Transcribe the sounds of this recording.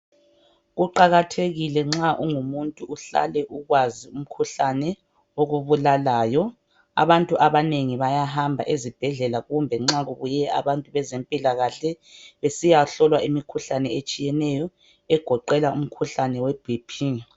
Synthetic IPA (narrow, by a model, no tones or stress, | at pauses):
ɣuǃaɣatʰeɣilɛŋ͡ǁaʔuŋumuntʼuuɬa̰lɛʔuɣwazium̩kʰuɬanɛ | oɣuβulalaːjɔ | a̰βantʼuʔaβaneŋiβajaɦambʱa̰ʔezib̥ʱɛɮɛlaɣumbʱɛŋ͡ǁaɣuβujɛʔa̰βantʼuβɛzempʼilaɣaɬɛ | βesijaɬɔlwaʔimikʰuɬanɛet͡ʃʼijɛnɛjɔ | ɛɡ̥ʱɔǃɛlaum̩kʰuɬanɛwɛb̥ʱipʰi